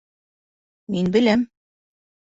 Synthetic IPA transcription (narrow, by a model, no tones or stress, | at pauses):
minbɘ̆læm